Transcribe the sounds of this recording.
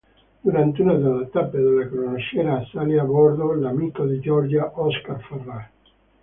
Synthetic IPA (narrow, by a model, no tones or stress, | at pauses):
d̪uɾant̪eunad̪elːat̪apːed̪elːakɾonaʃɛːnasaliabɔrd̪olamikod̪id͡ʒɔrd͡ʒaʔɔskarferːa